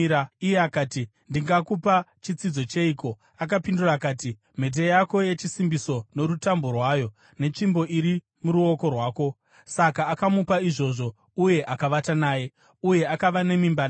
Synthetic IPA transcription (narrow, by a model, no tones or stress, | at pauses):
aijeakaːtindiŋɡakupat͡ʃit͡sid͡zo̞t͡ʃe̞iko̞ | ak̬apindurakaːti | m̤e̞t̬e̞jako̞je̞t͡ʃisimbiso̞no̞ɾutambo̞rwaːjo̞ | ne̞t͡ʃimbo̞ʔiɾi | muɾuo̞ko̞rwaːko̞ | sakaːkamupaiʐo̞ʐo̞ | uje̞ʔakaʋatanaːje̞ | uje̞akaʋane̞mimban